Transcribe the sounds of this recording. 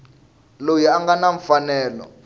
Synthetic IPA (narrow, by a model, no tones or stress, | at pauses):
lojiaŋɡanaɱfanɛːlɔ̰